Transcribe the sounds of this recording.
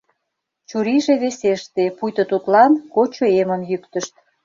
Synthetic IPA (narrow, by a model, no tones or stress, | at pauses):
t͡ɕuɾiʒeβeseʃt̪epujt̪ŏt̪ut̪lɑnkot͡ɕoeməmjykt̪əʃt̪̚